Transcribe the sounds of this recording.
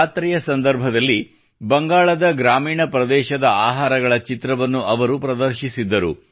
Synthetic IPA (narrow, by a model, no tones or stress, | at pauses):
t̪ɾiːjɐsɐnd̪ɐɾbʱɐd̪ɐlːi | bɐŋɡaːɭɐd̪ɐɡɾaːmiːɳɐpɾɐd̪ɛːʃɐd̪ɐaːɦaːɾɐɡɐɭɐt͡ʃit̪ɾɐʋɐnːuʔɐʋɐɾupɾɐd̪ɐɾʃisid̪ːɐɾṵ